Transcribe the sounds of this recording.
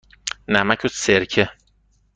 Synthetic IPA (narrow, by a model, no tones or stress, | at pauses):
næmæcʰoseɾcʰe